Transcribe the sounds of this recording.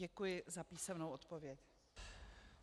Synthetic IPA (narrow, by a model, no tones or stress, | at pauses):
ɛkujɪzapiːsɛmnowʔot̪povjɛc